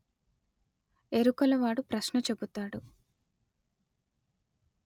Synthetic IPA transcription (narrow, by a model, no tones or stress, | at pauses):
eɾukɐlɐʋaːɽupɾɐʃnɐt͡ʃe̞but̪aːɽu